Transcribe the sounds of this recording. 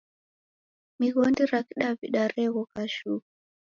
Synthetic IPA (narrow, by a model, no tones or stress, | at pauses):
miɣɔndiɾakiɗaviɗaɾɛɣɔkaʃuk